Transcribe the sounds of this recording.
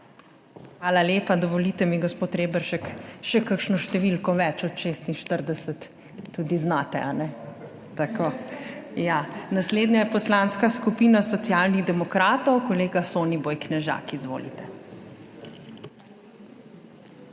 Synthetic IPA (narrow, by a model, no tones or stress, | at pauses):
xʋaːlaleːpad̪ɔʋɔlit̪ɛmiɡospoːt̪ɾeːbəɾʃɛkʃɛkəkʃnɔʃt̪ɛʋilkɔʋɛt͡ʃɔt̪ʃeːst̪inʃt̪əɾd̪ɛsət̪ː | uːd̪iznat̪ɛ̰anɛ | t̪akojanasleːd̪ɲajɛpɔslaːnskaskupiːnasɔt̪sijaːlniɣd̪ɛmɔkɾaːt̪ɔwkɔleːɡasoːnibɔjknɛʒa̰kizʋo̰ːlḭt̪ɛ